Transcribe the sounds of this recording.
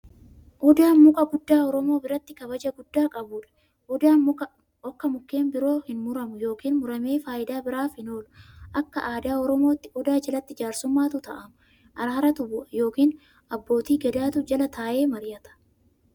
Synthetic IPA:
ʔʊd̪aːnmʊkʼɐɡʊd̪ːaːɔɾɔmo̞ːbɪɾɐt̪ːɪkɐβɐd͡ʒɐɡʊd̪ːaːkʼɐbʊᶑɐ̥ | ʔʊd̪aːnmʊkɐ | ɔkːɐmʊkːe̞ːmbɪɾo̞ːhɪnmʊɾɐmʊjo̞ːkiːnmʊɾɐme̞ːfaːɪd̪aːbɪɾaːfhɪno̞ːlʔɐkːɐʔaːd̪aːɔɾɔmo̞ːt̪ːɪʔʊd̪aːd͡ʒɐlɐt̪ːɪd͡ʒaːɾsʊmːaːt̪ʊt̪ɐʔɐmʊ | ʔɐɾaːɾɐt̪ʊbʊʔɐjo̞ːkiːn | ɐbːo̞ːt̪iːɡɛd̪aːt̪ʊd͡ʒɐlɐt̪aːʔe̞ːmɐɾɪjɐt̪ɐ̥

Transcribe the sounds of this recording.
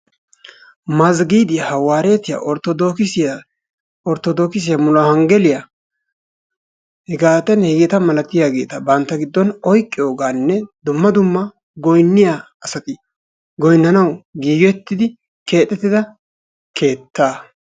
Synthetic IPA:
mɐzɡiːd̪ɪjhɐwaːɾe̞ːt̪ɪja̰ʔɔɾt̪ɔd̪okɪs | ɔɾt̪ɔd̪oːkɪs̬ɪjɐmʊlɐhɐŋɡɛlɪjɐ | hɛɡaːt̪ɛnhɛɡɛt̪ɐmɐlɐt̪ɪjaɡe̞ːt̪ɐbɐnt̪ːɐɡɪd̪ːɔnɔjkʼːɪjo̞ːɡaːnːɛd̪ʊmːɐd̪ʊmːɐ | ɡɔjnːɪja | ɐsɐt̪ɪ | ɡɔjnːɐnɐwɡiːjɔɛt̪ːɪd̪ɪ | ke̞ːt̪ʼːɛt̪ːɪd̪ɐ | kʰe̞ːt̪ːaː

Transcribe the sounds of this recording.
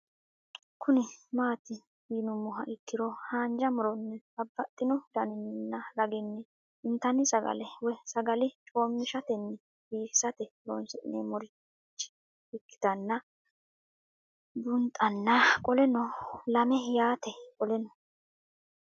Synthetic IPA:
kʰʊnɪmaːt̪ɪ | iːnʊmːʊɦɐʔɪkːɪɾɔhaːnd͡ʒɐmʊɾɔnːɛsɐbːɐt̪ʼːɪnɔd̪ɐnɪnnːɐɾɐɡɪnːɛ | ɪnt̪ɐnːɪsɐɡɐ̰lɛwɛsɐɡɐlɪt͡ʃʼo̞ːmːɪʃɐt̪ɛnːɛ | biːsɐt̪ɛɾɔnsɪnːɛmɔɾɪ | t͡ʃːɪ̥ | ɪkːɪ̥t̪ɐnːɐ | bʊnt̪ʼɐnːɐkʼɔlɛnɔlɐmɛjaːt̪ɛkʼɔlɛnɔ

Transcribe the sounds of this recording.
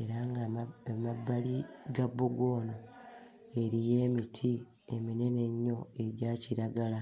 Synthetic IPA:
e̞ɾaŋɡamabːaliɡabːuɡo̞ːno | e̞ɾije̞ːmitʰi | emine̞ne̞ɲːo̞e̞ɟaːciɾaɡala

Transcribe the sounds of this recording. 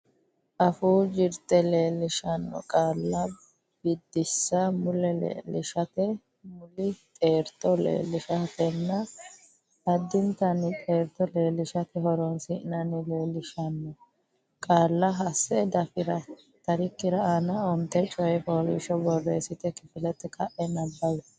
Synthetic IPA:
ʔɐfuːd͡ʒɪɾt̪ɛleːlːɪʃɐnːɔ̰kʼaːlːɐ | b̥ɪd̪ːɪsːɐmʊlɛlḛːlːɪ̰ʃɐt̪ɛ | mʊlɪt̪ʼe̞ːɾt̪ːɔlḛːlːɪʃɐt̪ɛnːɐ | ɐd̪ːɪnt̪ɐnɪt̪ʼe̞ːɾt̪ːɔle̞ːlːɪʃɐt̪ɛɦɔɾɔnsɪʔɪnɐnɪleːlːɪʃɐnːɔ | kʼaːlːɐɦɐsːɛd̪ɐfɪɾɐ | t̪ɐɾɪkːɪɾɐanɐɔnt̪ːɛt͡ʃʼɔjɛpoːlḭʃɔbɔrːɛːsɪt̪ɛkɪfɪlɛt̪ːɛkʰɐʔɛnɐbːɐwɛ

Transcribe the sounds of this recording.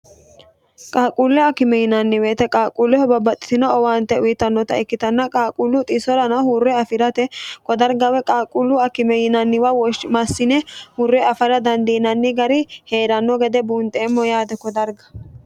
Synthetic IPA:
kʼaːkʼulːɛɐkɪmɛjɪnɐnːɪweːt̪ɛkʼaːkʼulːɛhɔbɐbɐt̪ʼːɪ̥t̪ɪnɐɔwaːnt̪ːɛʊjɪt̪ːɐnːɔt̪ɐɛkːɪt̪ɐnːɐkʼaːkʼulːʊt̪ʼɪsɔɾɐnɐhuːrːɛɐfɪɾɐt̪ɛkɔd̪ɐɾɡɐwɛkʼaːkʼulːʊɐkɪmɛjɪnɐnːɪwɐwɔʃmɐsːɪnɛhurːɛɐfɐɾɐd̪ɐnd̪iːnɐnːɪɡɐɾɪhe̞ːɾɐnːɔɡɛd̪ɛbuːnt̪ʼeːmːɔjaːd̪ɛkɔd̪ɐɾɡɐ̥

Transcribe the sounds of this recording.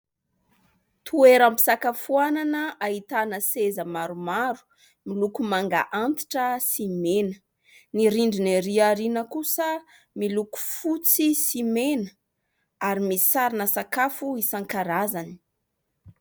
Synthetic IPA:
t̪ʰueɾampi̥sakafuananəaɦit̪anəsezəmaɾumaɾu̥ | milukumaŋɡa̰ʔant̪i̥ʈ͡ʂəsimenə | niɾiɳɖ͡ʐiniɾiaɾinəkusə | miluku̥fut͡sisimenə̥ | aɾimisaɾinəsakafuisaŋkaɾazani̥

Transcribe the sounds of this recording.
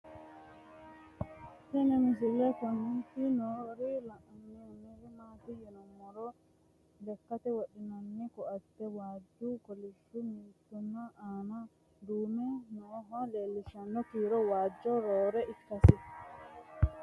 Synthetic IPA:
tɛnɛmis̬ilɛkɔnitinɔɾilaʔanːiniɾimatijɛnɔmɔɾɔ | lɛkːatɛwaɗinanːikɔadɛwad͡ʒukɔliʃumitunaʔana | dumɛnɔɦɔlelːiʃandɔkiɾɔwad͡ʒɔɾɔɾɛʔikːasi

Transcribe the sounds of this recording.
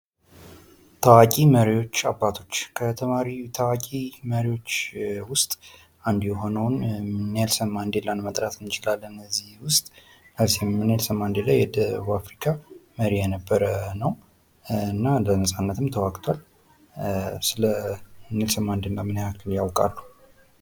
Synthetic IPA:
t̪ʰawakʼiməɾiwo̞t͡ʃːabːat̪ʰo̞t͡ʃːkʰət̪ʰəmaɾit̪ʰawakʼiməɾiwo̞t͡ʃːwʊst̪ʼ | and̪jɛɦo̞nəwnnelsəmːand̪elːanmət̪ʼɾat̪ɨnɪt͡ʃɪlalːənːəzːihwʊst̪ʼ | nəzihɪmːɨnelsəmːand̪elajɛd̪əβuafɾikʰaməɾijɛnəbːəɾənəw | ɨnːalənəsʼanːət̪ʰɨmt̪ʰəwakʼt̪ʰwal | sɨləɨnːelsəmːand̪ɨnɡamɨnhakʰɨljawkʼa̰lːu

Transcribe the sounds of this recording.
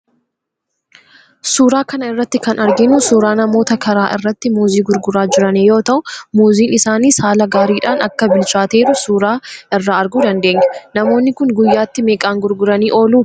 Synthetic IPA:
suːɾaːkɐnɐɪrːɐt̪ːɪkɐnɐɾɡɪnusuːɾaːnɐmo̞ːt̪ɐkɐɾaːʔɪ̰rːɐt̪ːɪmuːziːɡʊɾɡʊɾaːd͡ʒɪɾɐneːjo̞ːt̪ɐʔʊmuːziːnɪsaːniːsaːlɐɡaːɾiːᶑaːnɐ̰kːɐbɪlt͡ʃaːt̪e̞ːɾʊsuːɾaːʔɪrːaːɐɾɡuːd̪ɐnd̪e̞ːŋɡɛnɐmo̞ːnːɪkʊŋɡʊjːaːt̪ːɪmeːkʼaːŋɡʊɾɡʊɾɐniːʔo̞ːluː

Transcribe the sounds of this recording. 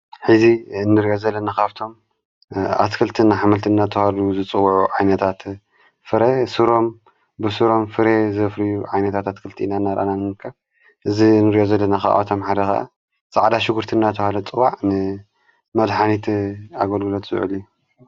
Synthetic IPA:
ħɨziɨnːɨɾijozɐlːɐnakʰaβt̪ʰo̞m | a̰t̪kʰɨlt̪ʰɨnːaħamɐlt̪ʰɨnːat̪ʰɐhaluzɨt͡sʼɨwːʕuʕajnɐt̪ʰat̪ | fɨɾesɨɾo̞m | bɨsɨɾo̞mfɨɾezɐfɾijuʕajnɐt̪ʰat̪at̪kʰɨlt̪ʰinanːaɾʔa̰nanɨmɨkʰːɐβ | ʔɨzinːɨɾijozɐlːɐnaka̰ʔʔt̪ʰomħad̪ɐxa̰ʔa̰ | sʼaʕd̪aʃɪɡuɾt̪ʰɨnːat̪ʰɐhalɐt͡sʼɨwaʕnɨ | mɐd̪ħanit̪aɡɐlɡɨlot̪zɨʕɨ̰liju

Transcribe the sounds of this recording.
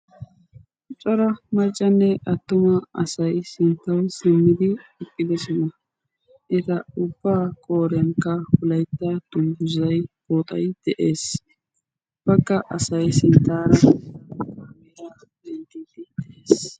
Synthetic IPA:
t͡ʃʼɔɾɐmɐɾt͡ʃʼːɐnːɛʔɐt̪ːʊmɐɐsɐjsɪnt̪ːɐwsɪmːɪd̪ɪɪkʼːɪd̪ɛsɔnɐ | ʔɪzɐʊb̥ːaːkʼo̞ːɾɪjɐnkːɐhʊlɐjt̪ːɐd̪̥ʊmɡʊzɐjboːt̪ʼɐjd̪̥ɛʔe̞ːs | b̥ɐɡːɐʔɐsɐjsɪnt̪ːaːɾɐ | mɛɾɐ | b̪ɛnd̪ɪd̪ɪd̪ʔeːs

